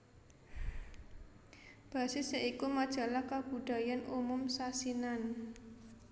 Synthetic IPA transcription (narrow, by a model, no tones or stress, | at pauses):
b̥ä̤sɪseʔikumad̥ʒ̥a̤lahkab̥ṳɖ̥a̤janumʊmsasinan